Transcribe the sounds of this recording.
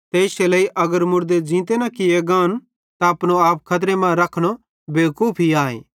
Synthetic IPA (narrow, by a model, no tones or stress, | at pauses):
t̪eɪʃeleːiʔɐɡəɾmʊɾd̪ed͡ʒĩːt̪enɐkieɡãːn | t̪aɐpɽ̃oaːp̚kʰɐt̪̬ɾemãɾɐkʰɽ̃o | beːkuːpʰɦiaːḛ̃ː